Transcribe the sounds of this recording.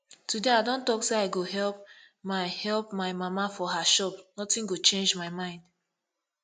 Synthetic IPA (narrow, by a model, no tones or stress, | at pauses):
tudeaɪdõntɔkseaɪɡoɦɛlp̚ | maɪhɛlˠpmaɪmamafɔɦaʃɔpnɔtĩnɡot͡ʃẽnd͡ʒmaɪmãɪ̃nd